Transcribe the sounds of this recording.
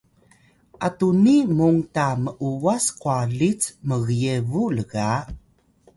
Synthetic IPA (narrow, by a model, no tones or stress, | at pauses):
ʔatunimuŋtaməʔuwasqualit͡sməɣjevuləɣa